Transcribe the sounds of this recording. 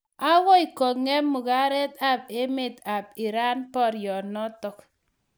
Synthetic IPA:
a˦wɔ˦i˨kːɔ˨ŋɛ˦mu˨ka˦ɾɛ˦t̪a˨p̚e˦me˨ta˨p̚i˨ɾa˦npɔ˦ɾjɔ˨nɔ˦tɔ˨k

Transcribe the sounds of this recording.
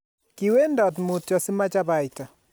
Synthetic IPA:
ki˨we˦ndɔ˨tmu˨tjɔ˨sɪ˦ma˦t͡ʃa˦ba˨ɪ˨ta˨

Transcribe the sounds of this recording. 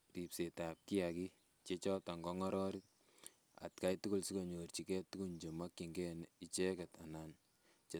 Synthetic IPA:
ri˨pse˨ta˨p̚ki˦aki | t͡ʃe˦t͡ʃɔ˦ta˨ŋɡɔ˦ŋɔ˦ɾɔ˦ɾit̚ | a̰˨tka˦jtu˦ku˦lsi˦ko˨ɲort͡ʃi˨kɛ˦tu˦ku˦ɲd͡ʒe˨ma˦kːi˨ŋɡɛ˦ni˦t͡ʃe˦kɛ˨ta˨na˨n | t͡ʃe

